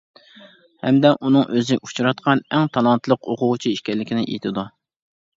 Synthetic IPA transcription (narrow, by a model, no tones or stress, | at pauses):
hɛ̰md̪ɛʔunɨŋʔøzɪʔu̥t͡ʃʰuɾɑt̪̚qʰɑnɛŋt̪ʰɑlˠɑnt̪lˠəqʰoqʰʊʁʊt͡ʃʰiiʃkʲɛlːɪkʲʰɪnɪʔḛt̪ʰɪd̪u